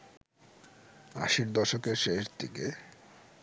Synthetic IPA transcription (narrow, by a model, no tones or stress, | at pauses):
a̰ʃiɾd̪ɔʃokeɾʃeʃd̪ʰike